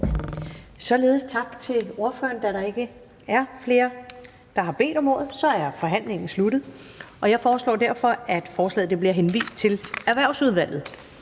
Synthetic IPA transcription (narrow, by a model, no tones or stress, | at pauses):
sɒ̽le̝ːð̞̩ˠst͡sʰɑ̈b̥̚t͡sʰe̝o̝ɐfø̰ɐnd̥æɾɑ̈e̝ɡ̥ə | æɐfle̝ːɐ | d̥ɑ̈ɦɑ̈b̥e̝̰ːd̥ɒ̽mo̝ːð̩ˠsɒ̽æɐfɒ̽ɦæn̰le̝ŋn̩slud̥ð̩ˠʔɒ̽jɑ̈ɪfɒːslɒ̰ːd̥æɐfɒ̽æd̥fɒːslɛ̰ːð̩ˠd̥e̝b̥liɐɦenʋḭːsd̥̚t͡sʰe̝læɐʋæɐ̰ʊsuð̞ˠʋæl̰ð̩ˠ